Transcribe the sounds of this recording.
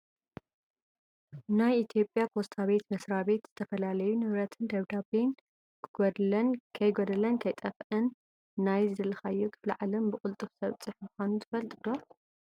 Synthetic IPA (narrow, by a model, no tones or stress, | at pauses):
najit̪ʰjo̞pʼːjapʰo̞st̪ʰaβe̞t̪mɐsɾaβe̞t̪z̥ɨt̪ʰɐfɐlalɐjunɨβɾɐt̪ʰɨnd̪ɐβd̪aben | ɡoɐnkʰɐjɡod̪ɐlɐnkʰɐjt̪ʼɐfʔɐnː | ajzɨdɨlɐxajːukʰɨ̥flɨʕalɐmbɨkʼʊlt̪ʼɨβsɐβt͡sʼɨħmuxʷanut̪ʰɨfɐlt̪ʼɨd̪o